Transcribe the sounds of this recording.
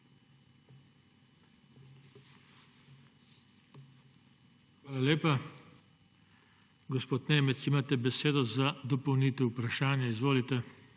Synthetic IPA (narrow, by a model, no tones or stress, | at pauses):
xʋaːlalʲeːpa | ɡɔspoːt̪neːmɛt̪simaːt̪ɛbɛseːd̪ɔzad̪ɔpowniːt̪ɛupɾaʃaːnjaizʋoːlit̪ɛ